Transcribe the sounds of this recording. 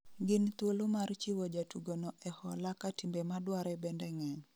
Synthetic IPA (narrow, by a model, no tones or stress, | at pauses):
ɡɪnt̪wolomart͡ʃiwod͡ʒatuɡonɔʔɛhɔlakatimbemadwaɾɛbɛndɛŋɛɲ